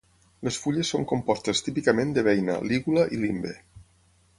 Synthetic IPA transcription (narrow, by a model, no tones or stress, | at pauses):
lesfuʎesːoŋkompɔst̪est̪ipikəmẽnd̪əβɛjnə̰liɣuləʔilimbḛ